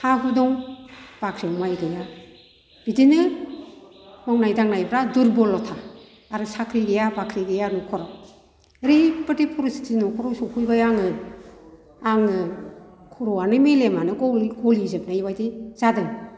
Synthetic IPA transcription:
haɦudɔŋb̥akʰɾimajɡɯja | b̥idinɯ | mɔŋnajdaŋnajbɾaduɾbɔlɔtʰaː | ɾɯsakʰɾiɡɯjabakʰɾiɡɯjanɔkʰɔɾɔw | ɾepɯtepʰɔɾusi̥tʰinɔkʰɔɾɔsɔkʰujbajaŋɯ | aŋɯ | kʰuɾɔwanɯmelemanɯɡɔɡɔlizɯp̚najbajdiz̥adɯŋ

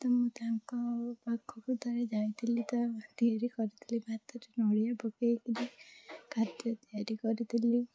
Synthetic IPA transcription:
t̪ɔmũt̪aɦaŋkɔpakʰːɔkud̪ʱɔɾed͡ʒajt̪ʰilit̪ɔd̪ijaɾikɔɾit̪ʰilibʱat̪ɔʈinɔɽijabɔkejkʰilikʰad̪jɔt̪ɔjaɾikɔɾit̪ʰili

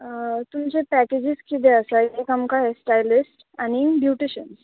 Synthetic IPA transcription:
t̪umt͡sepæked͡ʑiskid̪eəsaiekəmkaɦesʈajlisʈ | añibjuʈiɕəns

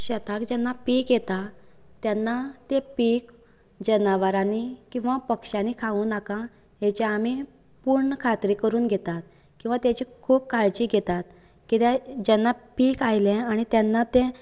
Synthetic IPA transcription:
ɕət̪akd͡ʑɛnːapiːkjɛt̪at̪janːat̪epiːk | d͡ʑənaʋaɾãnikĩw̃ʋapəkʂãnikʰaũːnakã | ɦet͡ɕeami | puɾɳəkʰat̪ɾikəɾuːnɡʱet̪at̪̚ | kĩw̃ʋat̪jat͡ɕikʰuːp̚kaɭd͡ʑiːɡʱɛt̪at̪ | kit̪ɛd͡ʑɛnːapiːkajlɛ̃aɽ̃it̪janːat̪ẽ

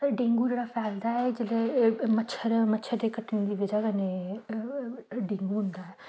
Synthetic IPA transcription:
ɖẽːŋɡuːd͡ʒeːɽaːpʰɛːld̪aɦɛd͡ʒɪlemətːʃʰəɾmətːʃʰəɾd̪eːkəʈʰːñd̪iːʋed͡ʒakəne | ɖẽːŋɡuɦʊ̃nd̪aːɦɛː

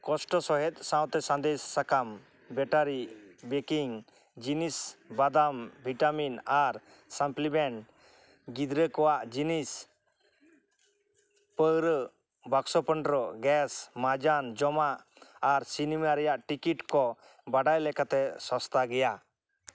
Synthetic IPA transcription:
kɔsʈɔsɔɦɛt̪̚ˀsãw̃t̪ɛsãnd̪ɛsːakam | bɛʈaɾibɛkiŋ | d͡ʒinisbad̪ambʱiʈaminaɾ | samplibɛɳʈ | ɡid̪ɾəkɔwaʔd͡ʒinis | pəɾ | baksɔpəɳɖɾɔɡɛsmad͡ʒand͡ʒɔmaʔː | ɾsinimaɾɛjaʔʈikiʈkɔ | baɖajlɛkat̪ɛsɔst̪ʰaɡɛja

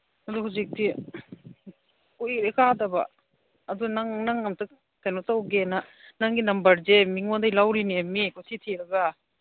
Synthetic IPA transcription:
haduhuzik̚tʰi | kuɾekʰadɐbɐ̰ː | dunaŋnaŋɐmtɯk̚ | tʰajnotawɡenɐnaŋɡinɐmbɐɾzemiŋondɐjlawɾiniemikʰutʰitʰiɾɐɡɐ

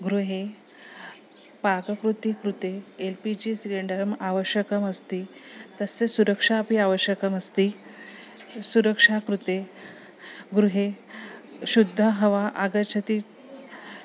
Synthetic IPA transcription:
ɡɾuɦe | pakəkɾut̪ikɾut̪eːlpid͡ʑiːsileɳɖəɾəmaʋəɕjəkəməst̪iːt̪əsesuɾəkʂapiaʋəɕjəkəməst̪iː | suɾəkʂakɾut̪e | ɡɾuɦe | ɕud̪ʱːəɦəʋaʔaɡət͡ɕʰət̪iː

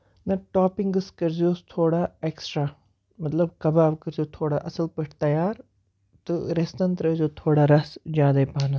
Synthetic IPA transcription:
nɐʈaːpiŋɡɨskɐɾzioːst̪ʰoːɽaːeksʈɾaː | mɐt̪lɐbkɐbaːʋkɐɾzijoːt̪ʰoːɽaʔɐsəlpəʈʰt̪ɐjaːɾ | t̪ɨɾest̪ɐ̃nt̪ɾɐzʲjoːt̪ʰoːɽaɾɐsd͡ʒjaːd̪aːipaːnɐ

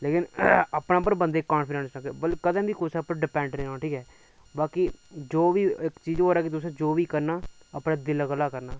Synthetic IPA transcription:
leːkɪnəpɽaːp̬əɾbə̃nd̪eːkːãːnpɪɖɛ̃nsnãɡeːbəlkəd̪ãːbiːkʰʊsɛpãɖɪpɛ̃ːɳʈɾeːnãːʈʰiːkɛː | baːkid͡ʒoːʋiːɪkt͡ʃiːd͡ʒɦoːɾɛːkɪt̪̬ʊs̬ãːd͡ʒoːʋiːkəɾnaːəpɽãːd̪ɪlɡəlːaːkəɾnaː

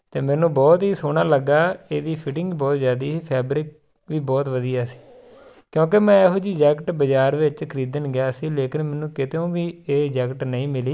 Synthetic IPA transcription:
t̪eːmɛ̃ːnũːbɔːt̪ɦiːsoːɳ̃aːləɡaːeːd̪iːpʰɪʈɪ̃ŋɡbɔːt̪zjaːd̪iːɦiːpʰɛːbɾɪk̚ | ʋiːbɔːt̪ʋəd̪ijaːsi̥ː | kjõːk̬emɛ̃ːeːɦoːd͡ʒiːd͡ʒɛːkʈbəd͡ʒaːɾʋɪt͡ʃkʰəɾiːd̪ənɡɪjaːsiːleːkɪnmɛːnũːkɪt̪eõːʋiːeːd͡ʒɛːkʈnəĩːmɪliː

